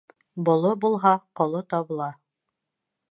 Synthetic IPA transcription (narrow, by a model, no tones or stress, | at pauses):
bŏlˠobulˠɦɑqŏlˠot̪ɑβɤ̆lˠɑ